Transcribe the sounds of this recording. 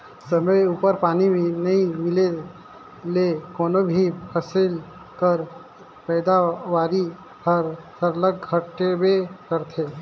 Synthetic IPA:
səməjupəɾpaːninəĩmɪle | lekoːnobʱipʰəsɪl | kəɾ | pɛːd̪aʋaːɾi | pʰəɾsəɾləɡʱəʈebekəɾt̪ʰe

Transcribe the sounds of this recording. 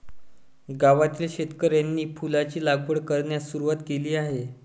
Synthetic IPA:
ɡaʋat̪iːlɕet̪kəɾjanːiːpulat͡ɕiːlaɡʋəɽkəɾɳjasuɾuʋat̪keliːaɦe

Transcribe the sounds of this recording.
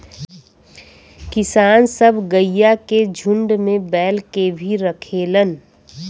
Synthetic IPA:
kɪsaːnsɐbʱɡəjjːaked͡ʒʱʊ̃ɳɖmẽbɛːlkebʱiɾəkʰeːlən

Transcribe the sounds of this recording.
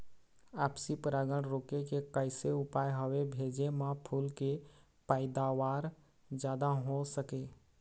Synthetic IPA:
apsipɾaɡəɽɾokekekəɪseupajɦəwebʱed͡ʒemãpʰuːlke | paɪd̪awaɾ | d͡ʒjad̪aɦosəke

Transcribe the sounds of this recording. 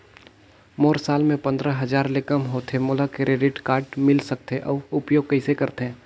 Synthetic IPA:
moːɾsaːlmẽpɐ̃nd̪ɾəɦɐd͡ʒaːɾlekəmɦoːt̪emʊlakɾeːɖɪʈkaːɾʈmɪlsɐk̚t̪eʔɔːʊpjoːɡ̚kɐɪsekɐɾt̪ɦɛ̃ː

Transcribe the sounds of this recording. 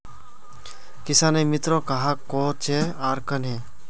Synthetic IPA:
kɪsãːnemɪt̪ɾokɐɦakoːt͡ʃeaːɾkənɦẽː

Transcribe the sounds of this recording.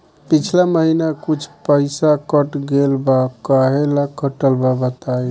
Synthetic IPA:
pit͡ʃʰlaməɦinakut͡ʃʰpəɪsakəʈɡelbakaɦelakəʈəlbabət̪aj

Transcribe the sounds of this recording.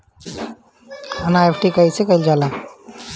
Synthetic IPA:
anaepʰʈikəisekəɪld͡ʒala

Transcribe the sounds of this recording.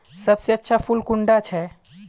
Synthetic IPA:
sɐbseɐtːʃʰapʰʊlkʊɳɖat͡ʃʰɛ

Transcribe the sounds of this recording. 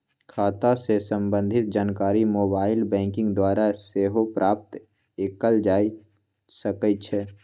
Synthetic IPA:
kʰaːt̪asesə̃mbə̃nd̪ʱɪt̪̚d͡ʒaːnkaːɾimoːbaːɪlbɛ̃ːŋkɪ̃ŋɡd̪waːɾaseːɦopɾʔaːp̚t̪ | ekəld͡ʒaːi | səkəit͡ʃʰɛ

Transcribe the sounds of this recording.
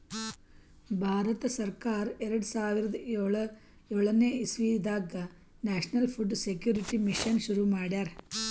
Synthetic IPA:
bʱaːɾɐt̪ɐsɐrkaːɾeɾɐɽusaːʋiɾɐd̪ɐeɭɐ | eɭɐneːisʋiːd̪aːɡɐ | naːʂɐnɐlpʰuɖsekjuːɾiʈːimiʂɐnʃuɾumaːɽjaːɾ

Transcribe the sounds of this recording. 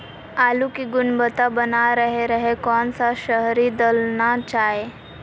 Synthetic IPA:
alukiɡunbət̪abənaɾəɦeɾəɦekɔnt͡saɕəɦɾid̪əlnat͡ɕae

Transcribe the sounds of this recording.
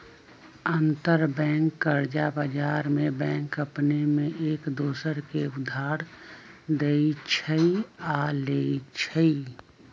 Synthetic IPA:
ənt̪əɾbɛ̃ːŋkːəɾd͡ʒabəd͡ʒaːɾmẽbɛ̃ːŋkəpnemẽʔeːkd̪oːsəɾkeʊd̪ʱːaːɾd̪eit͡ʃʰəialeːit͡ʃʰəi

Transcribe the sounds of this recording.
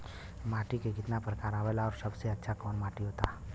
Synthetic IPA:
maːʈikekɪt̪napɾəkaːɾaːʋɛlaɔːɾsɐbseɐtːʃʰakɔːnmaːʈiɦoːt̪aː

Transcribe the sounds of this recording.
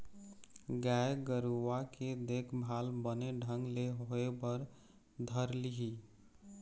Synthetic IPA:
ɡaeɡəɾuʋaked̪ekʰbʱalbəneɖʱəŋɡleɦoebəɾ | d̪ʱəɾliɦi

